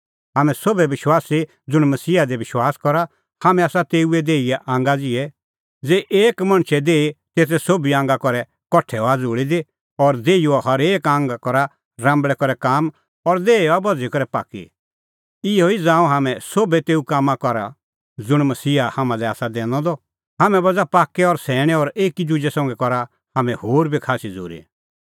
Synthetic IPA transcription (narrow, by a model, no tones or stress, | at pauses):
ɦaːmɛ̃sobɛbɪʃwaːsi | d͡zʊɽ̃mɐsiːad̪ɛbɪʃwaːskɔɾa | haːmɛ̃aːsat̪eːuɛd̪eːiɛʔãːŋɡad͡zɪɛ | d͡zeːʔeːkmɐ̃ɽ̃t͡ʃʰɛd̪eːit̪eːt̪̬ʰɛsoːbiãːŋɡakɔɾɛ | kɔʈʰːɛɔad͡zuːɽid̪i | ɔːɾd̪eːiuahɐɾeːkãːŋɡkɔɾa | ɾãːmbɭɛkɔɾɛkaːm | ɔɾd̪eːeabɔd͡zikɔɾɛpa̰ːkḭ | ɪɔid͡zãːũɦaːmɛ̃soːbɛt̪eːukaːmːakɔɾa̰ | d͡zʊɽ̃mɐsiːahaːmãlɛaːsad̪ɛːnɔ̃d̪ɔ | ɦaːmɛ̃bɐd͡zapaːkɛɔɾsɛːɽ̃ɛ̃ɔɾeːkid͡ʒʊd͡ʒɛsɔ̃ːŋɡɛkɔɾa | haːmɛ̃hoːɾbʱikʰaːsid͡zṵːɾḭ